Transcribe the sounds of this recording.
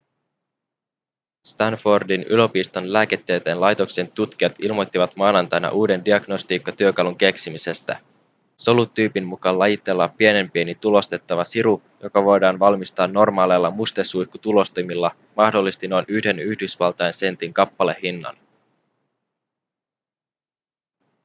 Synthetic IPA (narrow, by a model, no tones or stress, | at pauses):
st̪ɑnfordinylø̞piːst̪o̞nlæːke̞t̪ːe̞jt̪enlɑjt̪o̞kse̞nt̪ut̪k̟iɑt̪ilmot̪ːiʋɑt̪mɑːnɑnt̪ɑjnɑ̰ʔuːde̞ndiɑɡno̞st̪iːkːɑt̪yøkɑluŋk̟e̞ksimise̞st̪æ | solut̪ːyːpinmukɑlːɑjit̪e̞lːɑppːie̞ne̞mpienit̪ulo̞st̪e̞t̪ːɑʋɑsiɾu | jo̞kɑʋo̞jdɑːnʋɑlmist̪ɑːnːo̞rmɑːlelːɑmust̪esujkːut̪ulo̞st̪imilːɑ | mɑhdo̞lːist̪ino̞jnyhde̞nyhdysʋɑlt̪ɑense̞nt̪iŋkɑpːɑle̞hinːɑ̰n